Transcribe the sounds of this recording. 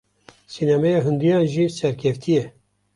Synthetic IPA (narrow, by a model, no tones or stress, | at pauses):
sinamɛjɑːɦɨnd̪ijɑ̃ːnʒiːsɛɾkʲʰɛft̪ʰijɛ